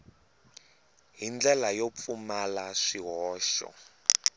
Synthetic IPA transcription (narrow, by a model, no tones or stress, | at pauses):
ɦind͡ɮɛlajop̪fumalaʂiɦɔːʃɔ̰